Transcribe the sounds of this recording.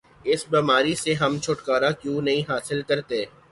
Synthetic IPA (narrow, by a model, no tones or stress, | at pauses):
ɪsbiːmaːɾiseɦɐmt͡ʃʰʊʈkaːɾakjũːnɐɦĩɦaːsɪlkɐɾt̪eː